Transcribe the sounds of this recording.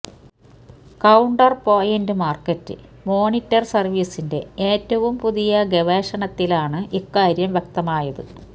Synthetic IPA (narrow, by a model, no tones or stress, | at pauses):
kɐwɳɖɐrpo̞ːjɐndɨmaːrkɐtːɨ̰ | mo̞ːnitːɐrsɐrʋiːsinde̞eːtːɐʋumpuðijɐɡeʋeːʂɐɳɐt̪ːilaːɳɨʔikːaːɾjɐmʋjek̚t̪ɐmaːjɐðɨ̰